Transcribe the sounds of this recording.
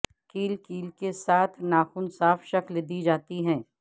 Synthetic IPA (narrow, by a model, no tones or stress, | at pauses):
kiːlkiːlkesaːt̪ʰnaːxuːnsaːfʃɐklɪd̪id͡ʒaːt̪iɦɛ̃ː